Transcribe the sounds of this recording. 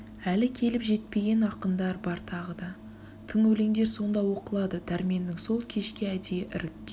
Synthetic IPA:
ælɪkʲʰe̞lɪpʒe̞t̪̚pe̞ɡʲe̞nɑqənd̪ɑɾbɑɾt̪ʰɑʁəd̪ɑ | t̪ʰɪŋɵle̞ŋd̪e̞ɾso̞nd̪ɑwo̞qəlˠɑd̪əd̪æɾme̞nːɪŋso̞lˠkʲʰe̞ʃkʲɪæd̪eʔɪ̰ɾɪkʲːe

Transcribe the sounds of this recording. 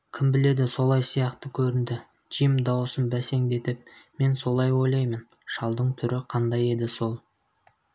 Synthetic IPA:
kʲʰɪmbɪle̞d̪ɪso̞lˠɑjsijɑqt̪əkʲʰɵɾɪnd̪ɪ | ʒimd̪ɑwsənbæse̞ŋd̪e̞t̪ɪp̚me̞nso̞lˠɑjwo̞jlˠɑjmənʃɑlˠd̪əɴt̪ʰʏɾɪqʰɑnd̪ɑje̞d̪ɪso̞lˠ

